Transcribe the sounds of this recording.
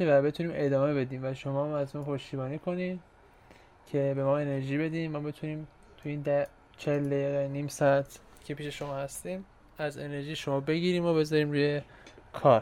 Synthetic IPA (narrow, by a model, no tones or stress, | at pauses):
væbe̞t̪ʰuniːmʔe̞d̪ɒːme̞be̞d̪iːmvæʃo̞mɒːmæzmumpʰo̞ʃt̪iːbɒːniːkʰonim | cʰe̞be̞mɒːe̞ne̞ɾʒiːbe̞d̪iːmmɒːbe̞t̪ʰuniːm | t̪ʰujiːnd̪æ | t͡ʃʰeld̪eiɣeniːmsɒæt̪ʰ | cʰe̞pʰiːʃe̞ʃo̞mɒːhæst̪iːm | æze̞ne̞ɾʒiːʃo̞mɒːbe̞ɟiːɾiːmobe̞zɒːɾiːmɾuːje̞ | kʰɒːɾ